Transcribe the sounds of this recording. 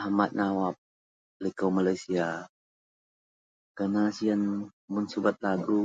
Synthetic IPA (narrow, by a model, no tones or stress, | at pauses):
amat̪̚nawap̚ | likowmalajsia | kənasian | mʊnsubat̪̚laɡu